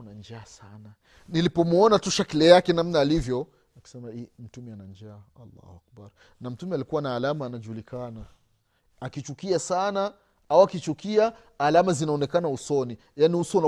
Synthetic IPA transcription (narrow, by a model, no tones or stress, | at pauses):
nand͡ʒaːsana | nilipɔmuɔnatuʃakilɛjakɛnamnaːlivjɔ | aki̥sɛmaim̩tumɛanand͡ʒaːa̰lːa̰hṵak̚baɾ | nam̩tumɛalikuwanaːlamaːnaʄulikana | akit͡ʃukiasana | awakit͡ʃukiaː | lamazinaɔnɛkanausɔni | janiusɔn